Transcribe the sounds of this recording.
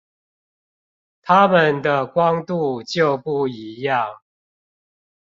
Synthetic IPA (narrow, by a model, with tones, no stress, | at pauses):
t̪ʰa˦mə˨nd̪ə˨kwɑ˦ŋt̪u˥˨t͡ɕjo˥˨ʊpu˥˨i˨˦jɑ˥˨ŋ